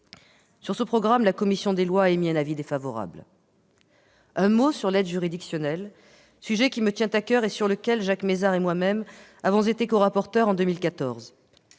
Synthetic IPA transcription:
syʁsəpχɔɡʁamlakɔmisjɔ̃d̪elwaːemiɛ̃navid̪efavɔʁa̰bl | ɛ̃mosyʁlɛd̪ʒyʁid̪iksjɔnɛl | syʒɛkʲimət̪jɛ̃t̪akœʁesyʁləkʲɛlʒakmezaʁemwamɛmavɔ̃zet̪ekoʁapɔʁt̪œʁɑ̃d̪ømilkat̪ɔʁz

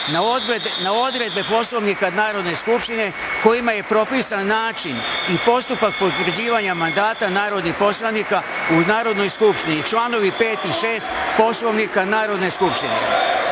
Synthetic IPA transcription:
nao̞d̪ɾe̞d̪̚be̞po̞slo̞ʋnikanaːɾo̞d̪ne̞skupʃt̪ine̞ | ko̞jimaje̞pɾo̞pisanːaːt͡ʃinipo̞st̪upak̚po̞t̪ʋɾ̩d͡ʑiːʋaɲamand̪aːt̪anaːɾo̞d̪nixpo̞slˠanika | unaːɾo̞d̪no̞jskupʃt̪init͡ʃlˠaːno̞ʋipe̞ːt̪iʃe̞ːst̪po̞slo̞ʋnikanaːɾo̞d̪ne̞skupʃt̪inḛ

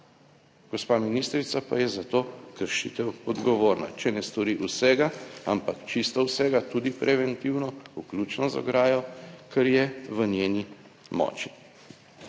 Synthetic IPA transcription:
ɡ̥ɔspaːminist̪ɾit̪sapa̰jɛzat̪oːkəɾʃḭt̪ɛwɔd̪ɡɔʋoːɾna̰t͡ʃɛnɛst̪ɔɾiʔusɛɡaampakt͡ʃist̪ɔwsɛːɡat̪uːd̪ipɾʔɛʋɛnt̪iwnɔuklʲut͡ʃnɔzɔ̰ɡɾaːjɔkʰɛɾjɛʋənʲjeːni | mɔ̰ːt͡ʃi̥

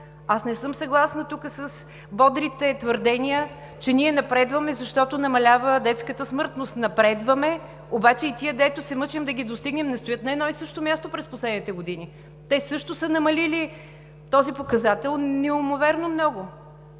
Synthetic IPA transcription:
asnɛsɤmsɐɡlˠasnɐt̪ukəsəs | bɔd̪ɾit̪ɛt̪vəɾd̪ɛniə | t͡ʃɛniɛnɐpɾɛd̪vəmɛzɐʃt̪ɔt̪ʊnɐmɐlʲavəd̪ɛt̪skət̪əsmɤɾt̪nosnɐpɾɛd̪vɐmɛ | obat͡ʃɛit̪iəd̪ɛt̪ʊsɛmɤt͡ʃɛmd̪ɐɡʲid̪ost̪iɡnɛmnɛst̪ojət̪nɐɛd̪nɔisɤʃt̪omʲjast̪opɾɛsposlɛd̪nit̪ɛɡod̪ini | t̪ɛsɤʃt̪ʊsənɐmɐlili | t̪ɔzipokɐzat̪ɛlˠnɛʊmovɛɾnomnɔɡʊ

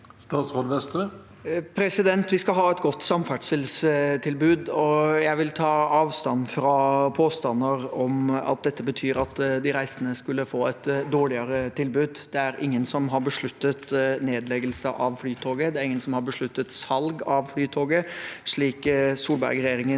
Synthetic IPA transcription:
st̪ɑːt̪sɾoːd̪ʋɛst̪ɾə | pʰɾɛsɪd̪ɛnt̪ʋɪskɑɦɑːɛt̪ɡɔt̪ːsɑmfæʈʂəlst̪ʰɪlbʉːd̪ɔjæɪʋɪlt̪ʰɑːɑːʋst̪ɑnfɾɑpʰoːst̪ɑnːəɾɔmɑ̰t̪̚d̪ɛt̪ːəbət̪ʰyːɾɑt̪d̪ɪɾæɪsənəskʉlːəfoːɛt̪d̪oːɭɪɑɾət̪ʰɪlbʉːd̪d̪̥ɛæɾɪŋːənsɔmɦɑɾbəʂɭʉt̪ːət̪neːd̪lɛɡəlsəʔɑʋflyːt̪ʰoːɡəd̪ɛæɾɪŋːənsɔmhɑɾbəʂɭʉt̪ːət̪sɑlɡɑʋflyːt̪ʰoːɡəʂɭiːksuːlbæ̰ɾɡɾɛjeːɾɪŋə

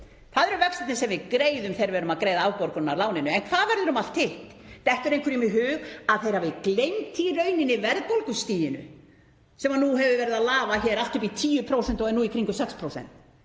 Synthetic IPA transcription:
θaðɛɾʏvœksat̪nɪsɛmvɪðkɾeːjðʏmθejɾvɛːɾʏmaðkɾejðaaːwpɔɾkʏnːalaːwnɪnʏɛnkʰvaːðvɛɾðʏɾʏmal̥t̪ɪht̪t̪ɛht̪ʏɾejŋkʰʏɾimɪɦʏːɣaðθejɾhavɪklejmt̪ʰiɾœɥnɪnɪvɛɾðpolkʏst̪iːjɪnʏ̰ | sɛmanuɦɛvʏvɛːɾɪðaðlaːvaçɛːɾalt̪ʏp̬it̪ʰiːjʏpʰɾowsɛnt̪ɔɣɛnːuikʰɾiŋkʏsɛkspʰɾowsɛ̰nt̪

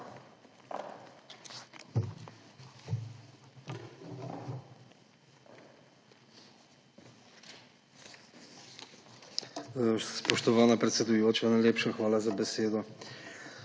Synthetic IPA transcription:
spɔʃt̪ɔʋaːnapɾɛt̪sɛd̪ujoːt͡ʃanajlʲeːpʃaxʋaːlazabɛseːd̪ɔ

